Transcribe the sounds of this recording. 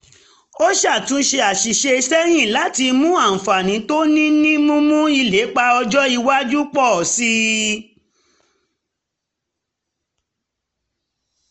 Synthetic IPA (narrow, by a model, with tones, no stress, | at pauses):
o˦ʃa˦˨tũ˨˦ʃe˧a˨ʃi˨ʃe˧i˧sɛ˦j̃ĩ˦˨la˨˦ti˧mũ˦ã˦˨fa˨nĩ˨˦to˦nĩ˦nĩ˦mũ˦mũ˦i˧le˨˦k͡pa˧ɔ˧d͡ʒɔ˦i˧wa˦d͡ʒu˦k͡pɔ˦˨si˧˦